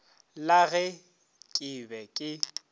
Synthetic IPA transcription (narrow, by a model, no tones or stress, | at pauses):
laɣɛ | kʼɪbɛkʼɪ